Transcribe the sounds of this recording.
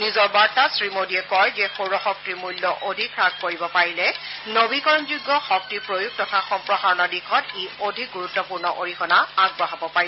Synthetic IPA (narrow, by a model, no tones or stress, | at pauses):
nizɔɹbaɹtasɹimodiɛkɔjzɛxowɹɔxɔk̚tiɹmulːɔʔodʱikʰɹaɡ̚koɹibɔpaɹilɛnobikɔɹɔnzuɡːɔxɔk̚tiɹpɹojuɡ̚tɔtʰaxɔmpɹɔɦaɹɔnɔdikʰɔteodʱiɡuɹutːɔpuɹnɔʔoɹixʰɔnaaɡ̚bɔɦabɔpaɹi